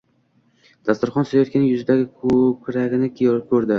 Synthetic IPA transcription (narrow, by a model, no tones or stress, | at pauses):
d̪̥ast̪ʊɾχɒnsoajɒt̪kʲanɪŋjʊzɪd̪aɡʲɪkʰɵkʲɾaɡʲɪnɪkʰɵɾd̪ɪ